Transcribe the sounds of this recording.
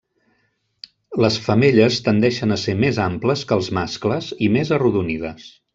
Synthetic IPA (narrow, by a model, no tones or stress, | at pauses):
ləsfəmeʎəst̪ənd̪ɛʃənəsemezampləskəlˠzmaskləzimezəruðunið̞əs